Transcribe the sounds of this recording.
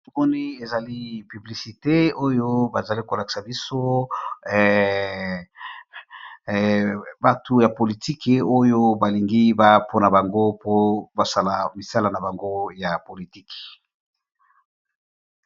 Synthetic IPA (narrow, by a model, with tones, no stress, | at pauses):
to˦mɔ˦ni˦e˨za˨li˦py˨bli˨si˨te˦o˦jo˦ba˨za˨li˦ko˨la˨ki̥˨sa˨bi˦so˦˨ | ba˦tʰu˦ja˨po˨li˨ti˦ke˨o˦jo˦ba˨li˨ŋɡi˦ba˦pʰo˦na˨ba˨ŋɡo˦po˦ba˨sa˨la˨mi˨sa˦la˨na˨ba˨ŋɡo˦ja˨po˨li˨ti˦k